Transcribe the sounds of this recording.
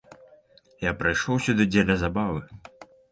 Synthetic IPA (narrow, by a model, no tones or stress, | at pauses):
japɾajʂɔwsʲud̪ɨd͡zʲɛlʲɐzabavɨ